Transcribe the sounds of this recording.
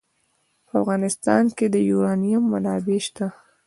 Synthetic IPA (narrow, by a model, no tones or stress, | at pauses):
pəafɣɑnɪst̪ɑ̰nked̪əjuɾɑnijamːanɑbeʃt̪a